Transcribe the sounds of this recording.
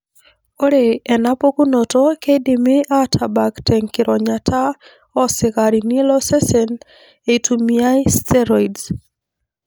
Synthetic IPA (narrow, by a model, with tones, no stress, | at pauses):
o˦ɾeɛ˨na˦po˦ku˦no˨tɔ˦ke˦di˨mɪ˦ʔa˦tʰa˨ba˨ktɛŋkɪɾʔɔɲatʰa˦ | ɔ˦sɪ˨ɣaɾini˦lɔ˦sɛ˦sɛn | etʰumia˦istɛ˦ɾɔid